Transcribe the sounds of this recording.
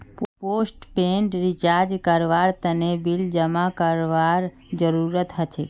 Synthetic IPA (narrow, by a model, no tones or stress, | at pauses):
pposʈpẽɳʈɾit͡ʃaɾd͡ʒkəɾʋaɾt̪ənebild͡ʒəmakəɾʋaɾ | d͡ʒəɾuɾət̪ɦət͡ʃʰe